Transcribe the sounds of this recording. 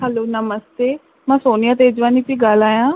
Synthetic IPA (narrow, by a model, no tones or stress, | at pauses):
ɦɛloːnəməst̪eː | mɛ̃ːsoːnijaːt̪̬eːd͡ʒʋaːniːpiːɡəlaːjãː